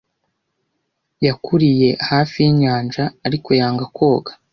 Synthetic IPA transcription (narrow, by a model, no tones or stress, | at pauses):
jakʰuɾije̞haːfijiɲaːnʒaːɾiko̞jaːŋɡakʰo̞ːɡḁ